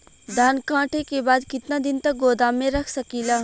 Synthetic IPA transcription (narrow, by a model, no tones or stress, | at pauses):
d̪ʱaːnkãːʈʰekebaːd̪kɪt̪nad̪ɪnt̪ɐk̚ɡoːd̪amẽɾɐkʰsəkiːlaː